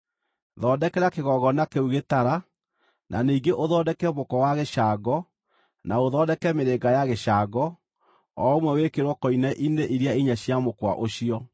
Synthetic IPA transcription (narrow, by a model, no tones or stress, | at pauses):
ðɔːdɛkɛɾakeɣɔɣɔnakeuɣetaɾa | nʔa̰niːɡeʔoðɔːdɛkɛmokɔwaɣeʃaɡɔ | naoðɔːdɛkɛmeɾeɡajaɣeʃaːɡɔ | ɔomwɛwekeɾwɔkɔinɛʔineʔiɾiaiɲaɕjamokwa̰ʔoɕiɔ